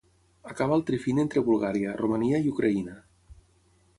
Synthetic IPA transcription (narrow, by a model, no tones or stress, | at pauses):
akaβ̞aəlˠt̪ɾifinent̪ɾeβulˠɣaɾiərumaniəiukɾʔainə